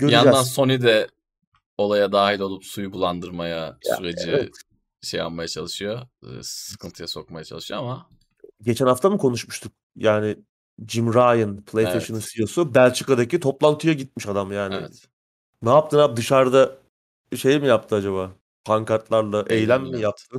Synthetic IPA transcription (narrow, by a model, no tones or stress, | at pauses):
ɟøɾjaynd͡ʒæd̪anso̞njd̪ɛ | o̞lˠajad̪aːɦilʲo̞lˠupsujubulˠand̪ɯɾmajasyɾed͡ʒiɛ | ʃeja̰nmajat͡ʃʰalˠɯʃɯjosɯ̥kʰɯnt̪ʰɯjaso̞k̚majat͡ʃʰa̰lˠɯʃɯjoama | ɟe̞t͡ʃʰænaft̪ʰamɯkʰo̞nuʃmuʃt̪ʰuk̚ | jaːnɪ | d͡ʒimɾajɯnpʰlˠejst̪eʃɯnɯnsijo̞subælʲt͡ʃʰɯkad̪acit̪ʰo̞plˠant̪ʰɯjaɟit̪̚miʃad̪amjaːnɪ̰ | naːp̚t̪ɯnap̚d̪ɯʃaɾd̪a | ʃe̞jimijap̚t̪ʰɯad͡ʒaβaː | pʰaŋkat̪lˠaɾlˠaʔejlʲæmːijap̚t̪ʰɯ